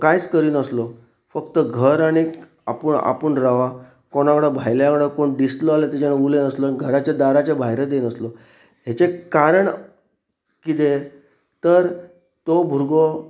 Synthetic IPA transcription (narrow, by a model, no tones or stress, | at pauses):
kajt͡skəɾiːnəslɔ | fəkt̪əɡʱəɾaɽ̃i | a̰pəɳa̰puɳɾaʋa | koɽ̃akɽabʱajljãkɽakoɳɖisloalet̪et͡ɕanaulenəslɔnɡʱəɾat͡ɕad̪aɾat͡ɕabʱajɾed̪enəslɔ | ɦet͡sekaɾəɳ | kit̪e | t̪əɾ | t̪obʱuɾɡo